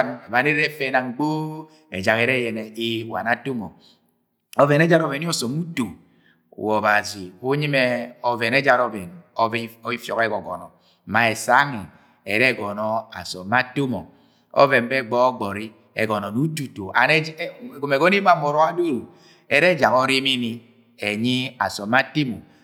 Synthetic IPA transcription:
βa˨ne˦ɾɛ˦fɛ˦na˨ŋ̩˨ɡ͡bo˦ | ɛ̰˨d͡ʒa˨kɛ˨ɾɛ˦jɛ˨nɛ˨i˦˨wa̰˨na˦to˦mɔ̰˨ | ɔ˨vɛ˨nɛ˦d͡ʒa˦ɾɔ˦˨vɛ˨ni˦ɔ˦sɔ˨mu˦to˨ | wɔ˨ba˨zi˨ku˦ɲi˦mɛ˦ɔ˨vɛ˨nɛ˦d͡ʒa˨ɾɔ˨vɛ˨nɔ˦i˦fjɔ̰˨ke˦ɡɔ˨ɡɔ̰˨nɔ̰˨ | ma˨e˨sa˦ŋi˨ | ɛ̰˨ɾɛ˦˨ɡɔ˨nɔ˦a̰˨sɔ˨ma˦to˦mɔ̰˨ | ɔ̰˦vɛ˨m˦bɛ˦˨ɡ͡bɔ˦ɔ˦ɡ͡bɔ˨ɾi˦ | ɛ̰˨ɡɔ˨nɔ˨nu˦tu˨to˨a̰˨n˦˨ɡo˨me˨ɡɔ˦n˦i˦ma˨mo˨ɾɔ˨˦a˦du˦ɾ | ɛ˨ɾɛ˦d͡ʒa˨ŋɔ˦ɾi˦mi˦ni˦ | e˨ɲi˦a̰˨sɔ˨mːa˦ti˦mo˨

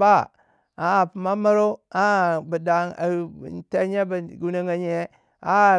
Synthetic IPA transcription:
ba˦˨ | a˨˦˨pu˨ma˦ma˦ɾo˦a˦˨bə˨da˨ŋa̰˨te˦ɲe˦ba˨ɡu˦na˦ŋa˨ɲe˦ | a˦˨

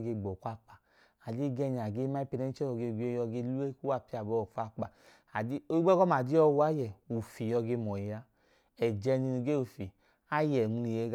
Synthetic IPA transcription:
ɡe˧ɡ͡bɔ˨kʷa˧k͡pa˨ | a˨d͡ʒi˦ɡɛ˧˨ɲ˨a˨ɡe˦ma˦i˦pi˧nɛ˦i˦t͡ʃɛ˦ɔ˧˨ɡe˧˨ɡʷe˧˦jɔ˧ɡe˧˦lu˦e˦ku˦wa˦˨pi˦a˨bɔ˧˨fa˧k͡pa˨ | a˨di˦o˦i˦ɡ͡bɛ˦ɡɔ˦ma˨di˦ɔ˧wu˦a˦jɛ˨u˨fi˨jɔ˧ɡe˧mɔ˨i˨ja˧ | ɛ˨d͡ʒɛ˧ni˧nu˧ɡe˦u˨fi˨ | a˦jɛ˨n˧ni˨e˧˦ɡ

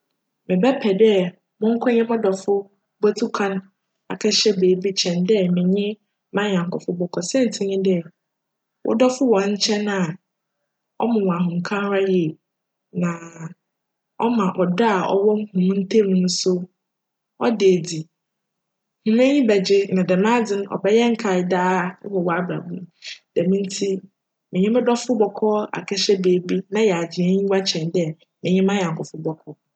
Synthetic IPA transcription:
mɪ̃˨bɛ˦pʰɛ˨dɛ˦ | mʊ̃˦ŋ̩˦kʰɔ̃˦ɲɪ̃˦mʊ̃˦dɔ˨fʊ˦ | bɔ˦tʰu˦kʰã˦n | a̰˨kʰɛ˦ɕɛ˦beː˨˦bi˦t͡ɕʰɛ̃˨ndɛ˦mɪ̃˨ɲɪ̃˦ | mã˦ɲ˨ã˨ŋ˨kʰʊ˨fʊ˦bɔ˨kʰɔ˨sɛ̃˦n̩˨tʰɪ̃˦ɲɪ̃˦dɪ˦ɛ˨ | wʔɔ̰˦dɔ˦fʊ˦wɔ̃˨ɲ̩˦t͡ɕʰɛ̃˦nã˨ | ɔ̰˦mʊ̃˨w̃a˨ɦʊ̃˨kʰã˦n˦ɾa˦je˨ | nã˨ | ɔ˦mã˨ʔɔ˨da˦a˨ɔ̰˦wɔ˦ŋ˦hũ˨m̃˦n̩˦tʰe˦˨nũ˦nʊ̃˦sʊ˦ | ɔ˦de˨æ˨di˨ | hũ˨nɛ̃˦ɲĩ˦bɛ˨d͡ʑɪ˦nã˨dɛ˨mã˦d͡zɪ̃˦ñ˦ʔɔ̰˨bɛ˦jɛ˦ŋ̩˨kʰa˨da̰ː˦hɔ˨wɔ˦a˦bɾa̰˨bũ˦d̥ɛ˨mĩ˦n̩˦tʰi˦ | mɪ̃˨ɲɪ̃˦mɪ̃˦dɔ˦fʊ˦bɔ˨kʰɔ˦a̰˨kʰɛ˦ɕɛ˦beː˨bi˦nã˦jɛ˨a˨d͡ʑɪ˨ɛ̃˦ɲĩ˦wa˦t͡ɕʰɛ̃˨ndɛ˦ | mɪ̃˨ɲɪ̃˦mã˦jɛ˨ŋ̩˨kʰʊ˨fʊ˦bɔ˦kʰɔ˦

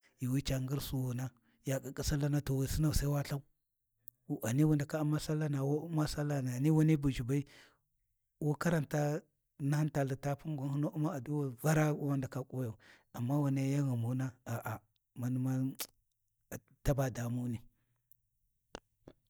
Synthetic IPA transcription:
ji˨wi˦t͡ʃa˨ŋɡi˦ɾsu˦wu˨na˦ | ja˨ka˨kʼi˦sa˦la˦na˦to˨wa˨si˦na˨sa˦wa˦ɬa˦u˦˨ | a˨ni˦wu˦nda˨ka˦ma˦sa˦lːa˦na˨wo˦ma˦sa˦lːa˦na˨ni˦wa˦ni˦bu˨d͡ʒi˨ba˦i˦ | wo˦ka˦ɾa˨nta˦ | na˦ha˦nta˨lə˨ta˦pu˦ɡa˨˦hu˦no˦ʔu˦ma˦a˨du˦wa˨va˦ɾa˦wwa˦nda˨ka˦kʼo˦ja˨u˨ | a˨mːa˦wa˨na˦ja˦ɣa˨mu˨˦na˦a˨ʔa˨ | ma˨nu˦ma˦˨ | ta˦ba˨da˨mu˦ni˨

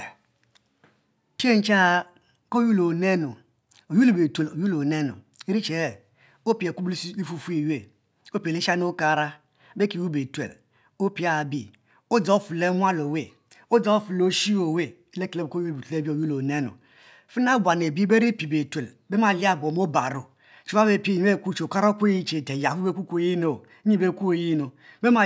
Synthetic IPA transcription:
t͡ʃe˦n̩˦t͡ʃa˦ | ko˦ju˦lo˨ne˦nu˨ | o˨ju˦le˨be˨tʷe˨o˨ju˦lo˨ne˦nṵ˨ | e˦ɾi˦t͡ʃe˨ | o˦pi˨e˨ku˦bli˦fu˦fu˦i˨we˦˨ | o˦pi˨e˨li˦ʃa˦n˦u˦ka˦˨ɾa˦ | be˦ki˨wu˦be˨tḛ˨l | o˦pi˨˦a˨bi˦ | o˦d͡za˨o˦fu˨le˦ŋʷa˦lo˨we˦˨ | o˦d͡za˨o˦fu˨lo˦ʃi˦o˨we˦ | le˦ke˨le˦bko˦je˦bu˨tle˦bi˦o˨ju˦lo˨ne˦no̰˨ | fu˦n˦a˦˨bʷa˨n˨e˨bi˦be˦ɾi˦pi˨be˨tʷe˨l | be˦ma˨li˦a˦˨bo˨m˦o˦ba˨ɾo˨ | t͡ʃu˨˦wa˦be˨˦˨pi˦e˦˨˦e˦˨kʷu˦t͡ʃo˨ka˦ɾo˦kʷu˦i˦t͡ʃe˨te˨ja˨u˦be˦ku˦kʷo˨ji˦no˨˦ɲi˦be˦˨kʷu˦o˨ji˦no˨be˦a˨

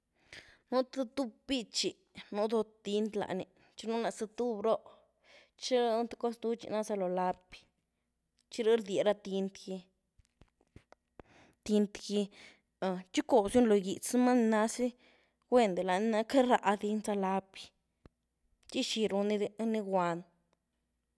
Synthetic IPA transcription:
nu˦t̪a˦t̪u˦b̚bi˦t͡ʃi˧˨ | nu˧d̪o˧t̪i˧nt̪la̰˨ʔni˨ | t͡ʃi˦nu˦na˧˨sa˧t̪u˦bɾo˦ʔ | t͡ʃi˦ɾnt̪ḁ˧ko˦sd̪u˧˦t͡ʃḭ˧na˦za˧lo˨la˧pi̥˧ | t͡ʃi˦ɾi˦ɾd̪ʲe˨ɾa˧t̪i˧nt̪ɡi˧ | t̪i˧nt̪ɡi˧˨ | t͡ʃi˦ko˨bsju˦nlo˨ji˨t͡sma˦n˧na˧si˦ | ɡʷe˦nd̪e˨la˨ni˧na˧ka˦ɾa̰˧ʔd̪i˧nza˧la˧pi˧ | t͡ʃi˦ʃi˧ɾu˧ni˧d̪e˧˦ni˧ɡʷa˧n

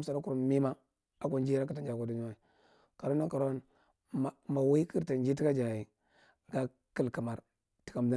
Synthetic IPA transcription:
sa˨ɾa˦ku˨ɾmi˦ma˦ | a˦kʷa˦n˦d͡ʒi˦ɾa˦ki˨ta˨nd͡ʒa˨ka˨du˨ɲu˦wa˦i˨ | ka˨ɾo˦na˦ka˨ɾo˦n˨ | ma˨wi˦i˦ki˦ɾta˨nd͡ʒi˦ti˦ka˦d͡ʒa˨ji˨ | ɡa˦ | ki˦lka˨ma˨ɾ | ti̥˨˦ka˨m˨da˦

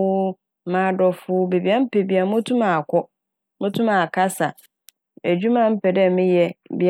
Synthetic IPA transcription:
ʊ˦˨ | mã˨˦˨dɔ˨fʊ˦be˨bi˨˦a˦m̩˦pe˨bi˨a˨mʊ̃˦tʰũ˦mã˨a˨kʰɔ˦ | mʊ̃˦tʰũ˦mã˨kʰa˦sa˨ | æ˨d͡ʑᶣu˦mã˦m̩˦pʰɛ˨dɛ˦mɪ̃˦jɛ˦bi˨

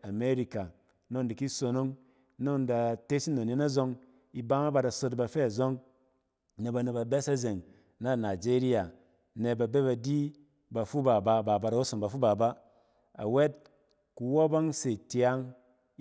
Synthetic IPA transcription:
a˨me˦ɾi˨ka˨ | no˦ŋdi˨ki˦so˧no˦ŋ˦ | no˦ŋn˨da˨te˦si˦no˨ne˦na˦zo˧ŋ | i˨˦ba˦ŋa˦ba˧da˨so˧t̬ba˨˧fe˦a˨zo˦ŋ | ne˨ba˧ne˨ba˨be˦sa˦ze˨ŋ | na˦˨na˨d͡ʒe˦ɾi˦ja˨ | ne˧ba˨be˦ba˧di˦ | ba˨fu˦ba˨ba˧˨ba˨ba˨da˨wo˦so˨ŋba˨fu˦ba˨ba˦ | a̰˨we˦t̚ | ku˨wo˦ba˦ŋse˨tja˦ŋ˦

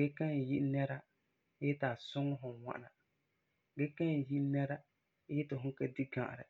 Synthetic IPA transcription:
ɡɛ˦ka˦n˨ji˦ʔnɛ˦ɾa˦ | ɛ˦taː˨sʊ˦ŋɔ˦ɦʊ˨wa̰˦ʔna˨ | ɡɛ˦ka˦n˨ji˦ʔnɛ˦ɾa˦ | jɛ˦tɪ˨ɦʊ˦ka˦di˦ɡã˨ʔɾɪ̰˨

